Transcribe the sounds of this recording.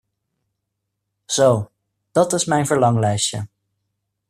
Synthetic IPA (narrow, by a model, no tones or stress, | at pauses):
z̥ow | d̥ɑtɪsmɛjnvəɹlɑŋlɛjsə̰